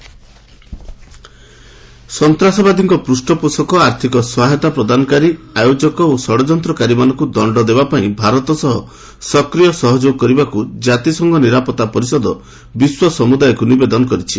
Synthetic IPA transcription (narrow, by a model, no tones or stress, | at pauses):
sɔnt̪ɾasɔbad̪iŋkɔpɾusʈɔposɔkɔaɾt̪ʰikɔswaɦɔt̪apɾɔd̪ʱanɔkaɾiajod͡ʒɔkɔosɔɽɔd͡ʒɔnt̪ɾɔkaɾimanɔ̃ŋkud̪ɔɳɖɔd̪ebapaĩbʱaɾɔt̪ɔsɔɦɔ̰ | sɔkɾijɔsɔɦɔd͡ʒoɡ̚kɔɾibakud͡ʒat̪isɔŋɡʱɔniɾapɔt̪ːapɔɾisɔd̪ɔ | biswɔsɔmud̪ajɔkunibed̪ɔnɔkɔɾit͡ʃʰi